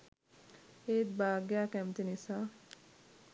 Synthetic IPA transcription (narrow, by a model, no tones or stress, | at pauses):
et̪̚baːɡjakɛmt̪inisa